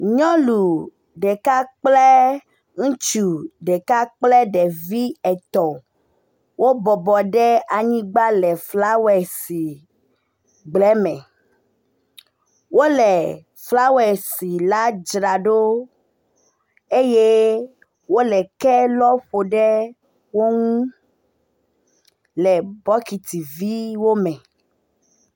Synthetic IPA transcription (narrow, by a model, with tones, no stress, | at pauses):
ɲɔ̃˦lu˨ | ɖɛ˨ka˦k͡plɛ˦ | ŋ̩̃˦t͡ʃu˨ɖɛ˨ka˦k͡plɛ˦ɖɛ˨vi˦ɛ˨t̪ɔ˨ | wʔo˦bɔ˨bɔ˨ɖɛ˦a˨ɲĩ˦ɡ͡ba˦lɛ˨fla˦wɛ˨si˨ | ɡ͡blɛ˨˦mɛ̃˨ | wo˦lɛ˨ | fla˦wɛ˨si˨la˦d͡ʒɾa˨ɖo˦ | e˦je˦ | wo˦lɛ˨kɛ˦lɔ˦ɸo˨ɖɛ˦ | wo˦ŋ̃ũ˦ | lɛ˨bɔ˦ki˨t̪i˨vi˦wo˦mɛ̃˨